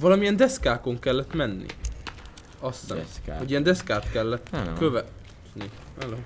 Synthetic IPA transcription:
vɒlɒmiɛnd̪ɛskaːko̞ŋkɛlːɛt̪mɛnːḭ | ɒsɛ̰hoɟijɛnd̪ɛskaːt̪kɛlːɛt̪ːkøvɛt̪ni | ɛlo

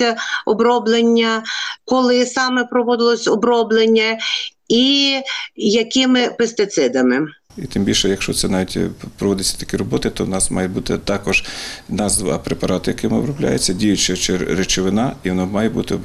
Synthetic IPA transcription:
ɐɔbɾɔblˠenʲːɐkɔlˠɪsɑmɛpɾɔʋɔd̪ɪlˠɔsʲɔbɾɔblˠenʲːɐ | i | jɐkɪmɪpest̪ɪt̪sɪd̪ɐmɪ | it̪ɪmbʲilʲʃɛjɐkʃt͡ʃɔt̪sɛnɑʋʲitʲpɾɔʋɔd̪ɪt͡sʲːɐ̥t̪ɐ̥kʲiɾɔbɔt̪ɪt̪ɔʋnɑsmɑjɛbut̪ɪt̪ɑkɔʒ̥nɑzd̪ʋɑ̰pɾepɐɾɑt̪ɪjɐkɪmɪɔ̰bɾɔblʲa̰jet͡sʲːɐdʲijʊt͡ʃɛt͡ʃeɾet͡ʃɔʋɪnɑiʋɔnɔmɑjɛbut̪ɪ

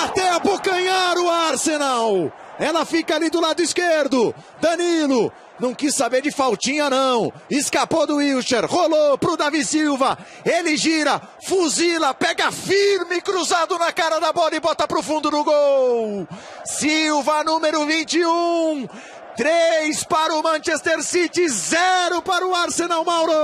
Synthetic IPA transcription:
at̪ẽpʊɡɐ̃ɲaɾʊaɾsenaw | ɛlɐfikɐalid̪ʊlad̪ʊiskeɾd̪ʊ | d̪ɐnilʊ | nɐ̃w̃kissabeɾd͡ʒɪfawt͡ʃĩɲɐnɐ̃w̃ | ɪskapod̪ʊiwʃeɾholopɾʊd̪avisiwvɐ | elɪʒiɾɐ | fuzilɐpɛɡɐfiɾmɪkɾuzad̪ʊnɐkaɾɐd̪ɐbɔlɐɪbɔt̪ɐpɾʊfũnd̪ʊnʊɡow | siwvɐnũmeɾʊvĩnt͡ʃɪ̃ũ | t̪ɾejspaɾʊmɐ̃ʃest̪eɾsit͡ʃɪzɛɾʊpaɾʊaɾsenawmawɾo

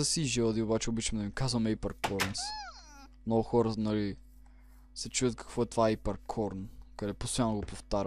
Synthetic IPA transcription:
ɐsiʒɛlˠd̪iobat͡ʃɛobit͡ʃɐmd̪ɐmikazvɐmɛipəɾkʰɔɾnsi̥ | mnɔɡʊxɔɾənɐli | sɛt͡ʃuvət̪̚kɐ̥kvɔɛt̪vaipɐɾkʰɔɾnkɐd̪ɛpost̪ojanːoɡopoft̪aɾ

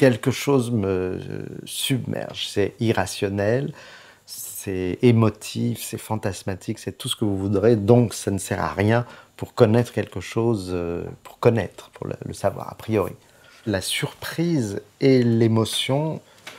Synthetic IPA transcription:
kʲɛlkəʃozmə | sybmʔɛ̰ʁʒsɛiʁasjɔnɛl | sɛemɔt̪ʰifsɛfɑ̃t̪asmat̪ʰiksɛt̪usə̥kəvuvud̪ʁed̪ɔ̃ksanəsɛʁa̰ʁjɛ̃puʁkɔnɛt̪χə̥kʲɛlkəʃozøpu̥ʁkɔnɛ̰t̪χpuʁlə̰lə̰savwa̰ːʁa̰pχijɔʁḭ | lasyʁpχizelemɔsjɔ̃

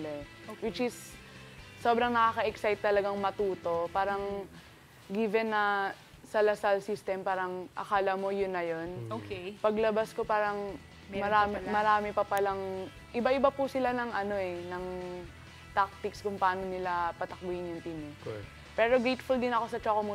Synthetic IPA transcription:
ɛwɪt͡ʃɪsː | o̞ːbɾɐŋnɐkaːkɐʔɛksajt̪̚ːɐlɐɡaŋmɐt̪uːt̪o̞paːɾɐŋ | ɡiːvɛnːɐ | sɐlɐsɐlsist̪ɛmpaːɾɐŋʔɐkaːlɐmo̞jʊnːɐjo̞nokpɐɡlɐbasko̞paːɾɐŋ | mɐɾaːmmɐɾaːmɪpɐpɐlɐŋ | ʔɪbaʔɪbapusɪlanɐŋʔɐno̞ʔɛnɐŋ | t̪ak̚t̪ɪkskʊŋpɐaːnonɪlapɐt̪ɐk̚bʊjɪnjʊŋt̪inɪk | pɛːɾo̞ɡɾejt̪fʊld̪ɪnɐko̞sɐt͡ʃoːkomu

